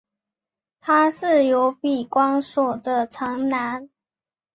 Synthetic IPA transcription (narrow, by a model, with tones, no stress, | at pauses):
t̪ʰa˥ʂɻ̩˥˩jo˧˥ʊpi˨˩kwɑ˥ŋswɔ˨˩d̪ə˦ʈ͡ʂʰɑ˧˥ŋna˧˦n